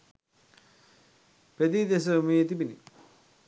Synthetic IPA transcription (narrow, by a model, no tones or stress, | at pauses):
ped̪iːd̪es̬əmiet̪ibinḭ